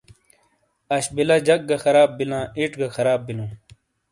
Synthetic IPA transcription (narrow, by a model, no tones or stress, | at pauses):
ɐɕbilɐd͡ʑɐk̚ɡɐxɐɾaːbːilãːiʈɡɐxɐɾaːbːilũː